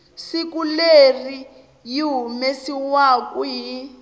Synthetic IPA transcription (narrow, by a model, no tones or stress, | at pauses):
sikuleri | jiɦumesiwakuɦi